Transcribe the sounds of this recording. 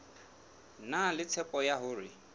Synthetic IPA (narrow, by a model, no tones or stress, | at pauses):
nalɪt͡sʰɛpʼɔjaɦʊːrɪ